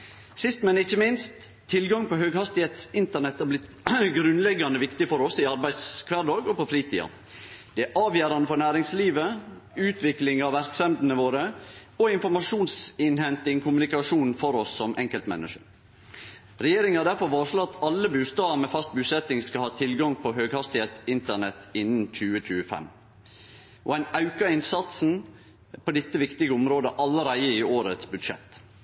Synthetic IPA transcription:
sɪst̪mɛnɪçːəmɪnst̪ʰː | ɪlɡɑŋpɔɦøːɡhɑst̪ɪheːt̪sɪnt̪əɳɛt̪hæɾblɪt̪ | ɡɾʉnlɛɡɑnəʋɪkt̪ɪfɔɾɔsɪɑɾbæɪd̪skʰʋæːɖɑːɡɔpɔfɾiːt̪ʰḭːɑ̰ | d̪̥ɛæʔɑːʋjæːɾɑnəfɔɳæːɾɪŋsliːʋə | ʉːt̪ʰʋɪklɪŋɑʋʋæɾksɛmd̪n̩əʋoːɾəɔɪnfɔɾmɑʂuːnsɪnhɛnt̪ɪŋkʰʊmʉnɪkɑʂuːnn̩fɔɾɔsːɔmʔɛ̰ŋkəlt̪mɛ̰nːə̰ʂə | ɾɛjeːɾɪŋhɑd̪æɾfɔʋɑːʂlɑt̪ːɑlːəbʉːst̪ɑːʋmɛfɑst̪̚bʉːsɛt̪ːɪŋskɑlhɑːt̪ʰɪlɡɑŋpʰɔɦøːɡhɑst̪ɪheːt̪ɪnt̪əɳɛt̪ɪnːn̩c͡çʉːət͡ʃʰʉːəfɛ̰m | ʔɔ̰æɪnɑʉkɑɪnsɑt̪sn̩ | pʰɔd̪ɪt̪ːəʋɪkt̪ɪɡəʊmɾoːd̪əʔɑlːəɾæɪəɪoːɾət̪sbʉd̪ʂɛ̰t̪ː

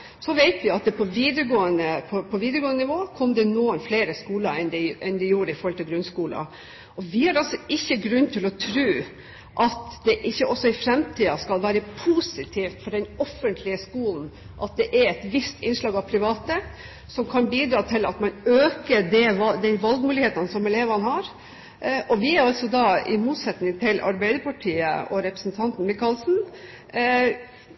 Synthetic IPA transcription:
sɔʋeɪt̪ʋɪɑt̪̚d̪ɛpʰɔʋiːd̪əɾɡoːənəpʰɔpʰɔʋiːd̪əɾɡoːənnɪʋoːkʰɔmd̪ɛnuːənfleːɾəskuːləɛnd̪ɛʔɛnd̪ɛjuːɾəɪfɔɾhɔlt̪ɪlɡɾʉnskuːlɑ̰ | ɔʋɪhɑɾɑlsɔɪçːəɡɾʉnːt̪ʰɪlɔt̪ʰɾʉː | ʔɑt̪d̪ɛʔɪçːəʔɔsːɔɪfɾɛmt̪ʰiːɑskɑlʋæːɾəpʰusɪt̪ʰiːft̪fɔɖɛnɔfːənt̪ʰlɪəskuːln̩ | ʔɑt̪̚d̪ɛʔæɾɛt̪ʋɪst̪ʰɪnʂɭɑːɡɑʋpʰɾɪʋɑːt̪ə | sɔmkʰɑnbiːd̪ɾɑːt̪ʰɪlɑt̪mɑnøːkəɖɛɑd̪ɛnʋɑlɡmʉːlɪheːt̪ɑnəsɔmɛleːʋɑnɦɑɾ | ʔɔʋɪæɾɑltsɔd̪ɑɪmuːt̪sɛt̪nɪŋt̪ʰɪlʔɑ̰ɾbæɪd̪əpʰɑʈʰiːə̰ʔɔɾɛpɾəsn̩t̪ʰɑnt̪n̩mɪkɑlsn̩

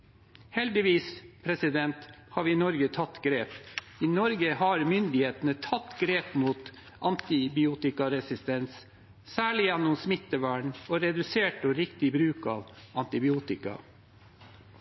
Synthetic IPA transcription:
hɛld̪ɪʋiːspʰɾɛsɪd̪ɛnt̪hɑːʋɪnɔɾɡət̪ʰɑt̪ɡɾeːp | iːnɔɾɡəhɑɾmʏnd̪ɪheːt̪nət̪ʰɑt̪ːɡɾeːpmuːt̪ | ʔɑnt̪ɪbɪuːt̪ɪkɑɾɛsɪst̪ɛns | sæːɭɪjɛnːʊmsmɪt̪ːəʋæːɳoːɾɛd̪ʉseːʈɔɾɪkt̪ɪbɾʉːkɑːʋɑnt̪ɪbɪuːt̪ɪkɑ̰

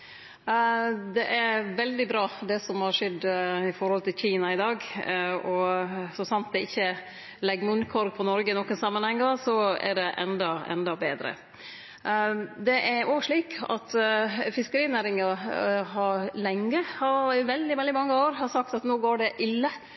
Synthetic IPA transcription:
d̪ɛʔæɾʋɛld̪ɪbɾɑːd̪ɛsɔmhɑɾʂɛd̪ːɪfɔɾhɔlt̪ʰɪlçiːnɑɪd̪ɑːɡɔsɔsɑnt̪̚d̪ɛɪçːə | lɛɡmʉnkʰɔɾɡ̚pʰɔnɔɾɡəɪnɔkːənsɑmːənhɛŋːɑsɔæ̰ɖɛʔɛ̰nd̪ɑɛ̰nd̪ɑbeːd̪ɾə̰ | d̪ɛʔæɾoʂɭiːkʰɑ̰t̪fɪskəɾiːnæːɾɪŋɑɦɑɾlɛŋːəhɑɪʋɛld̪ɪmɛld̪ɪmɑŋːəoːɾhɑsɑk̚t̪ɑt̪noːɡoːɖɛʔɪlːə

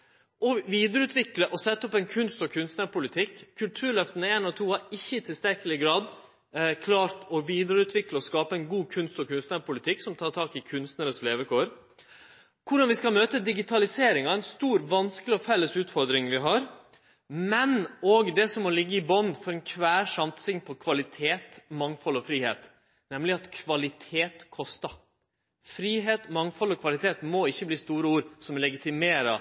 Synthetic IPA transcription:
ɔʋiːd̪əɾəʉːt̪ʰʋɪkləʔɔsɛt̪ːɔpɛnkʰʉnst̪ɔkʰʉnst̪nəɾpʰʊlɪt̪ʰɪkʰːʉlt̪ʰʉːɾɭœft̪ənəeːnɔt̪ʰuːhɑɾɪçːəɪt̪ʰɪlst̪æɾkəlɪɡɾɑːd̪ | kʰlɑːɾt̪ɔʋiːd̪əɾəʉːt̪ʰʋɪkləɔskɑːpəɛnɡuːkʰʉnst̪ɔkʰʉnst̪nəɾpʰʊlɪt̪ʰɪksɔmt̪ʰɑːɾt̪ʰɑːkɪkʰʉnst̪nəɾəsleːʋəkʰoːɾ | kʰʊɖɑnʋɪskɑmøːt̪əd̪ɪɡɪt̪ʰɑlɪseːɾɪŋɑɛɪnst̪uːɾʋɑnskəlɪɔfɛlːəsʉːt̪fɔɾd̪ɾɪŋʋɪɦɑɾ | mɛnɔɡd̪ɛsɔmːɔlɪɡːəɪbɔnfɔɾɛnkʰʋæːɾʂɑmt̪sɪŋpʰɔkʰʋɑlɪt̪ʰeːt̪mɑŋfɔlːɔfɾiːhḛːt̪ | nɛmlɪɑt̪kʰʋɑlɪt̪ʰeːt̪kʰɔst̪ɑ | fɾiːɦeːt̪mɑŋfɔlɔkʰʋɑlɪt̪ʰeːt̪mɔɪçːəbliːst̪uːɾəuːɾsɔmlɛɡɪt̪ɪmeːɾɑ̰

